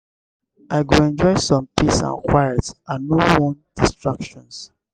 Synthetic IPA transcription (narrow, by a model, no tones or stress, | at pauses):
aɪɡuɛ̃nd͡ʒɔɪsɔ̃mpisã̰nkwajɛtsãːowɔ̃nd̥istɹakʃɔ̃ns